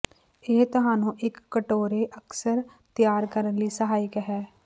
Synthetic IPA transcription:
eːt̪ɐɦãːnũʔeːkːəʈoːɾeʔɐksəɾ | t̪jaːɾkəɾənlisɐɦaːjəkɦɛː

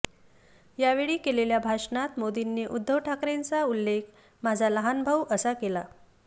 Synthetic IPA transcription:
jaʋeɭiːkeleljabʱaʂnat̪mod̪inːeʔud̪ʱːəwʈʰakɾent͡saulːekʰ | mad͡zʱaləɦanbʱəwʔəsakela

